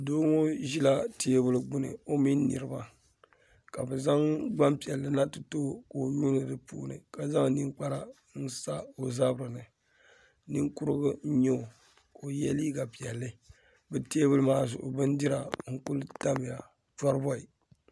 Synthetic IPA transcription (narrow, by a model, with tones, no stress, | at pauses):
doː˦ŋo˦ʒi˦la˦teː˦bʊ˦lɡ͡bʊ˦nɨ̰˨o˦mi˦n˦nːɨ̰˨ɾɨ˦ba˨ | ka˨bɛ˨za˦ŋɡ͡ba˦mpi˨ɛ˨lːɨ˨na˦tɨ˨toː˦ko˨ɲu˦nɨ˨dɨ˨pṵː˦nɨ̰˨ka˨za˦ŋ˦ni˦ŋk͡pa˦ɾa˦ | n̩˦sa˦o˨za˦bɨ˦ɾɨ˨nɨ˨ | ni˦ŋkʊ˦ɾɨ˦ɡɨ˦ɲo˦˨ | ko˨jɛ˦li˦ɡa˨pi˨ɛ˨lːɨ˦ | bɨ˨teː˦bʊ˦lɨ˦maː˦zʊ̰˨ʔʊ̰˨bɨ˦ndi˦ɾa˨ŋ̩˦ku˦lta˦mɪ˨ja˨ | ta˦ɾɨ˦bɔ˦i˨